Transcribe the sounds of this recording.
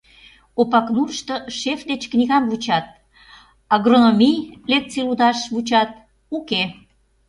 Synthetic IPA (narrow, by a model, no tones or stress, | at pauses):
opɑkmurʃt̪oʃefd̪et͡ɕkniɣɑmvut͡ɕɑt̪̚ | ɑɣronomʲijlek̚t͡silud̪ɑʃβut͡ɕɑt̪̚ | uke